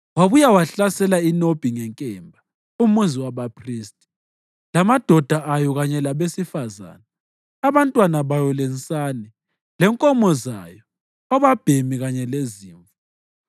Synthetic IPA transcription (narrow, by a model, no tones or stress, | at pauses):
waβujawaɬasɛlainob̥ʱiŋɛŋkʼɛmbʱa | umunziwaβapʰriːstʼi̥ | lamad̥ʱɔd̥ʱaʔajɔɣaɲɛlaβesifaza̰ːnaː | βantʼwanaβajɔlɛnt͡sʼani | lɛŋkʼɔmɔza̰jɔ | ɔβab̥ʱemiɣaɲɛleziːɱfɔ